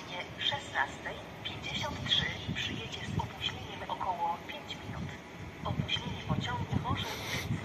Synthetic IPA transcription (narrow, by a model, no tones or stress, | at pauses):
ɲɛfʂɛsnast̪ɛj | pʲjeɲd͡ʑeɕɔnt̪tʂɘpʂɘjɛd͡ʑɛzɔpuɕlʲeɲɛmʔɔkʰɔwɔpʲjeɲt͡ɕmʲinṵt̪ | ʔɔpuɕlʲeɲipɔt͡ɕɔŋɡuvɔʐɛ